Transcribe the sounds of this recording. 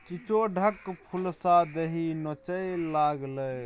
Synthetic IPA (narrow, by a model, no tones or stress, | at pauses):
t͡ʃit͡ʃoɖʱəkpʰulsad̪eɦinɔt͡ʃəjlaɡlə